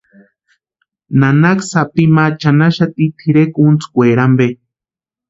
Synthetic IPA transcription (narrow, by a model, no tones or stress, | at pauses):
nanaksapimat͡ʃanaʃat̪it̪ʰiɾekunt͡skʷeːɾambe